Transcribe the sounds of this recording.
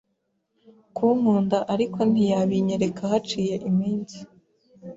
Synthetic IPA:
kuːŋuːndaʔaɾikʰo̞n̥ijaβiɲeɾe̞kʰahat͡ʃiːje̞ʔimiːnzi

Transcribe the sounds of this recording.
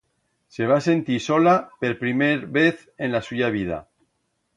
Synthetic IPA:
se̞β̞ase̞nt̪iso̞lape̞ɾpɾimeɾβe̞θ | ẽ̞nlasuʝaβ̞ið̞a̰

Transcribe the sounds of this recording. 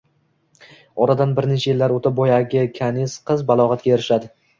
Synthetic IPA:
ɒɾad̪anbɪɾnet͡ʃʰajɪlːaɾot̪ʰabɒjaɡʲɪkʲʰanɪsqʰɨzbalˠɒʁɑt̪̚ɡʲajeɾɪʃad̪ɪ

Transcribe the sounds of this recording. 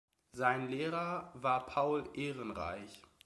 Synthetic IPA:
zaɪnleːʁɐvaːɐpʰaʊlʔeːʁənʁa̰ɪç

